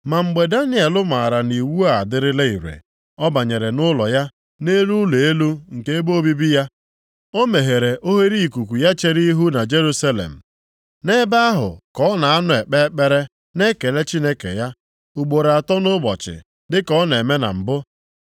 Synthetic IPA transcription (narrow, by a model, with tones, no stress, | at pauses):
ma˨ŋ͡m̩˨ɡ͡be˨da˦nɪ˦e˨lʊ˦ma˨ɾa˨ni˨wu˦a˦˨dɪ˦ɾɪ˦le˦i˨ɾḛ˨ | ɔ˦ba˨ɲe˨ɾe˨nʊ˦lɔ˨ja˦ | ne˦ɾu˦le˨e˦lu˦ŋ̩˨ke˦e˦bo˦bi˦bi˦ja˦ | o˦me˨ɦe˨ɾe˨ʔo˦ɦe˦ɾi˦i˨ku˨kʷu˨ja˦t͡ʃe˦ɾi˦ɦu˦na˨d͡ʒe˦ɾu˦sa˦lḛ˨m̩˨ | ne˦ba˦a˦ɦʊ̰˨kɔ˦na˨a˦nʊ˨e˨k͡pe˦k͡pe˦ɾe˦ | ne˦ke˨le˦t͡ʃi˦ne˦kḛ˨ja˦ | u˨ɡ͡bo˨ɾe˨a˨tɔ˦nʊ˦bɔ̰˨t͡ʃɪ̰˨ | dɪ˦kɔ˦ne˨me˦na̰˨m̩˨bʊ˦